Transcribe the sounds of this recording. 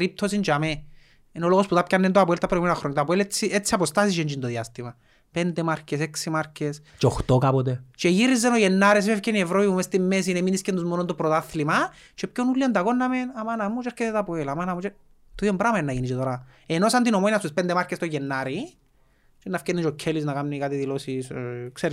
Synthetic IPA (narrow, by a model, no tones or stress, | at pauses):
ɾip̚t̪ʰos̬int͡ʃame | inoloɣosput̪apcanːent̪oapoelt̪apɾoimenaxɾoɲːat̪ap̬oeleiet͡sːiapost̪asit͡ʃend͡ʒind̪oðiast̪imɐ | pend̪emaɾkeseksimaɾcest͡ʃoxt̪okapot̪et͡ʃeʝiɾizːenoʝenːaɾes̬ifefcenievɾopipumest̪imːes̬ineminiskend̪uzmonond̪opɾot̪aθlimɐ | t͡ʃepconulːiɐnd̪ɐkonːɐmenamanamut͡ʃeaɾkeet̪apoelamanɐmut͡ʃe | t̪oiombɾamaenːɐʝinit͡ʃet̪oɾa | enosand̪inomojinast̪uspend̪emaɾkːest̪oʝenːaɾi | t͡ʃenːafcenːit͡ʃocʰːeliznakamnikat̪iðilosiskseɾi